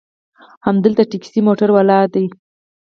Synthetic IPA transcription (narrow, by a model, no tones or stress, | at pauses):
hamd̪əlt̪aʈiksimoʈaɾwalɑd̪aj